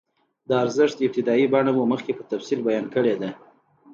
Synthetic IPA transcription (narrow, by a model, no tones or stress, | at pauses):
d̪əaɾzɪʂt̪ɪb̚t̪ɪd̪ɑibɑɳamuməxkepət̪afsilbajɑnkəɽed̪a